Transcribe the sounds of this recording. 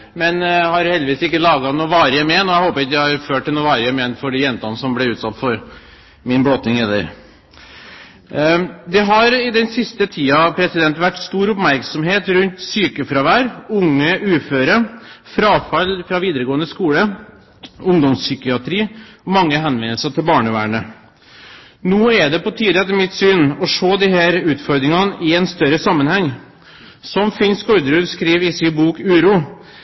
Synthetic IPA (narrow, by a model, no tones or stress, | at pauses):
mɛnhɑɾhɛlʋiːsɪkːəlɑːɡɑnuːʋɑːɾɪɛmɛːnːɔæhoːpəɾɑt̪æhɑɾføːʈʈːɪlnuːʋɑːɾɪəmɛnfɔɖɛjɛnt̪ɑnəsɔmblɛʉːt̪sɑt̪ːfɔɾ | mɪnbloːt̪ɪŋɛd̪ə̰ɾ | d̪ɛɦɑɾɪd̪ɛnsɪst̪ət̪ʰiːɑpʰɾɛsɪd̪ɛnt̪ʋæʈːst̪uːɾʊpmæɾksɔmɦeːt̪ɾʉnt̪syːkəfɾɑʋæːɾʊŋːəʔʉːføːɾəfɾɑːfɑlfɾɑʋiːd̪əɾəɡoːənəskuːlə | ʊŋd̪ɔmssʏkɪɑt̪ʰɾiːɔmɑŋːəɦɛnʋɛnːəlsəʈ̪ɪlbɑːɳəʋæ̰ːɳə | nuːɛd̪ɛpɔt̪ʰiːd̪ɛt̪ɛmɪt̪syːnɔʂoːd̪iɦæːɾʉːt̪fɔɾd̪ɾɪŋɑnəʔɪɛnst̪œɾəsɑmːənhɛŋː | sɔmfɪnskɔɾd̪əɾʉd̪skɾiːʋɪsɪbuːkʉːɾuː